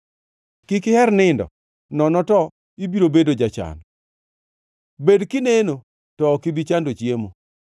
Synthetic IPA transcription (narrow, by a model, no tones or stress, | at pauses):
kɪkɪhɛɾnɪndɔ̰ | nɔnɔtɔ | ibiɾobedod͡ʒat͡ʃa̰n | bedkɪneno | tɔːkibit͡ʃandot͡ʃjemo